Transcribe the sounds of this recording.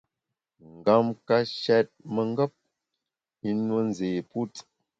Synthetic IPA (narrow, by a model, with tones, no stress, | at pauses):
ŋ̩˨ɡa˦mka˦ʃɛ˦t̚mə˨ŋ˦ɡə˦p̚ | i˦nwə˦n˨ze˨pu˦t